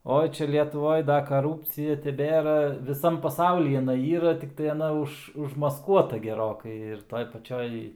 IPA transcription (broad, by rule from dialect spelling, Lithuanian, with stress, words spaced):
ˈoːɪ ˈt͡ʃʲɛ lʲiɛtʊˈʋoːj ˈdɐ kɐˈruːpʲt͡sʲɪjɛ tʲɛˈbʲeːrɐ ʋʲɪˈsɐm pɐˈsɐʊlʲiː ɪˈnɐɪ ˈiːrɐ tʲɪkˈtɐɪ ɐˈnɐ ˈʊʃ ʊʒmɐsˈkuɔtɐ ɡʲɛˈroːkɐɪ ɪr ˈtoːj pɐˈt͡ʃʲoːj